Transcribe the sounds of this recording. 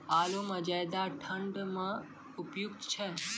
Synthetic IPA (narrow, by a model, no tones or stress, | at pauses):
aluməd͡ʒajd̪aʈʰəɳɖmã | ʊpjukt̪t͡ʃʰe